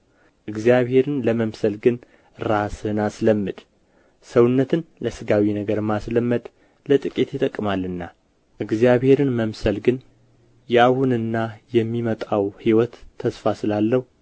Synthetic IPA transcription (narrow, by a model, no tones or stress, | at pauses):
ʔɨɡzijaβhe̞ɾɨnləməmsəlɡɨn | ɾasɨnasləmːɨd̪̥ | səwʊnːət̪ʰɨnləsɨɡawinəɡəɾɨmːasləmːəd̪ | lət̪ʼɨkʼit̪jɪt̪ʼəkʼːɨmalːɨnːa | ʔɨɡzijaβhe̞ɾɨnməmsəlɡɨn | jahunɨnːajɛmːimət̪ʼawhiwɔt̪ʰːəsfasɨlalːəhu